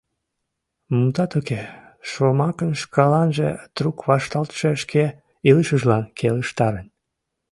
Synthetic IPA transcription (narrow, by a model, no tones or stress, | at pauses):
mumt̪ɑt̪uke | ʃomɑkənʃkɑlɑnʒḛt̪rukβɑʃt̪ɑlt̪ʃeʃkʰe | iləʃəʒlɑnkʰeləʃt̪ɑɾən